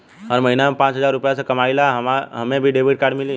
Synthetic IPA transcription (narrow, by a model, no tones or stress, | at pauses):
ɔɾmɐɦinaẽpãːt͡ʃɦəzaːɾʊpjasekɐmaːilaɦɦɐmẽbʱiɖeːbʱiʈ̚kaːɾɖmɪli